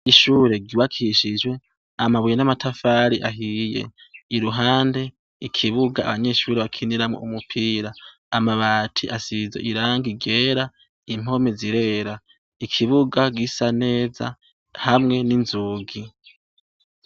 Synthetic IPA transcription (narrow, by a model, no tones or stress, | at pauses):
iʃuːɾe̞ɡɟuwakʰiʃid͡ʒwe̞ | amaβujenamatʰafaɾiʔaɦije̞̰iɾuɦaːnde̞ | ikʰiβuɡaa̰βaɲe̞ːʃuːɾeβakʰiniɾamoʔumupʰiːɾaː | maβaːtʰiʔasizḛʔiɾaːŋɡiɡe̞ːɾa | im̥o̞me̞ziɾe̞ːɾa | ikʰiβuɡaɡisane̞ːza̰ | hamŋe̞ninzuːɡi